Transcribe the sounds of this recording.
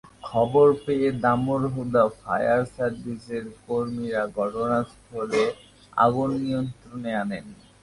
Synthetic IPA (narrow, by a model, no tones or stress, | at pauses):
kʰɔboɾpeed̪amoɾɦud̪afa̰jaɾsaɾbiseɾkoɾmiɾaɡɔʈonast̪ʰɔle | a̰ɡunːijont̪ɾoneanen